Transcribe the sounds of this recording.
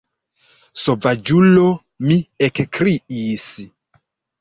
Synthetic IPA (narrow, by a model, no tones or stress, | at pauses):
sovad͡ʒulo | miekkɾiis